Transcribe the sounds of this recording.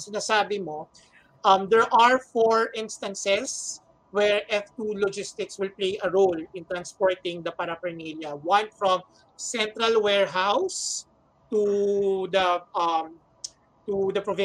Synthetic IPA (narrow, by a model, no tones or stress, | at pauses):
sɪnɐsaːbɪmo | ʔɐmd̪ɛɹʔɐɹfɔɹʔɪ̃nst̪ɐ̃nsɛs | wɛɹʔɛft̪ulɔd͡ʒɪst̪ɪkswɪlplejʔɐɹolɪ̃nt̪ɾɐnspɔɹt̪ɪ̃ŋd̪ɐpɐɾɐpɐɹniljɐwɐ̃nfɹɔ̃m | sɛ̃nt̪ɾɐlwɛɹɦaws | t̪ud̪ɐm | t̪ud̪ɐpɹɔvɪ